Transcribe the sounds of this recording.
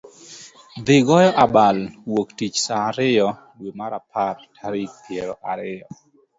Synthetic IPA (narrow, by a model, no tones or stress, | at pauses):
d̪ɪɡɔjɔʔabalwoktit͡ʃsaːɾɪjɔ | dwemaɾapʰartʰaɾik̚pjeɾɔʔaɾɪjɔ